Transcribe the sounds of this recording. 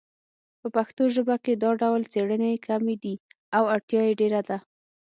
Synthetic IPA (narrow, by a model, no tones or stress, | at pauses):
pəpaxt̪oʒəbaked̪ɑɖawlt͡seɽənekamed̪i | awaɽt̪jɑjeɖeɾad̪a